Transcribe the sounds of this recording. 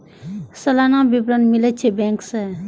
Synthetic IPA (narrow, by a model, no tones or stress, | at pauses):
səlanãbibɾənmilət͡ʃʰebeŋkse